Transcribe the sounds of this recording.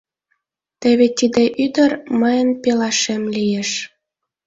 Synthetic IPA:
t̪əβet̪id̪eʔyd̪ərməjənpelɑʃemlijeʃ

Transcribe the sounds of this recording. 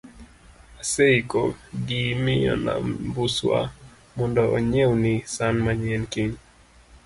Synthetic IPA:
asɛikɔɡimijɔ̰na̰mbuswa̰ | mundɔʔɔɲɛunisanmaɲɛnkiɲ

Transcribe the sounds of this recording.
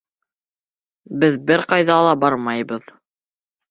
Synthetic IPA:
bɘðbɘɾqɑjðɑːlˠɑbɑɾmɑjbɤð

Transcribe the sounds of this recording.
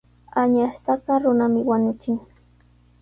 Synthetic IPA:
aɲaʃt̪akɑɾʊnamɪwaɲʊt͡ʃɪŋ

